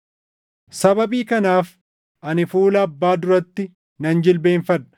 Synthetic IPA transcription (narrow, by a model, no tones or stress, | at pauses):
sɐbɐbiːkɐnaːf | ʔɐnɪfuːlɐːbːaːd̪ʊɾɐt̪ːɪ | nɐnd͡ʒɪlbe̞ːɱfɐᶑɐ̥